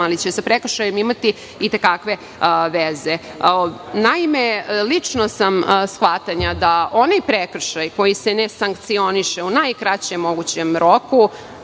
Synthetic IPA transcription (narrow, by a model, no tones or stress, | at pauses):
alit͡ɕesapɾekr̩ʃajemimat̪i | it̪e̞kakʋe̞ | ʋeze | naimelit͡ʂnosamsxʋat̪aɲad̪aʔo̞najpɾekr̩ʃajko̞jisene̞saŋkt̪sio̞niʃeunajkɾat͡ɕemːo̞ɡut͡ɕemɾo̞ku